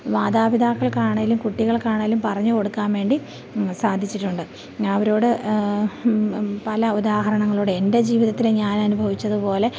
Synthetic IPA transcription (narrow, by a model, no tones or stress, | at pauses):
ʋaːd̪aːbiðaːkːɐɭkaːɳɐːlumkuʈːiɣɐɭkaːɳɐːlumpɐrɐɲːuko̞ɽukːaːnʋe̞ːɳɖi | saːd̪ʱit͡ɕːiʈːuɳɖɨ | ɐʋɐɾo̞ːɽɨ | pɐlɐud̪aːɦɐɾɐɳɐŋːɐɭoːɽɨe̞nde̞d͡ʑiːʋiðɐt̪ːilɲaːnɐnubʱɐʋit͡ɕːɐðupo̞ːle̞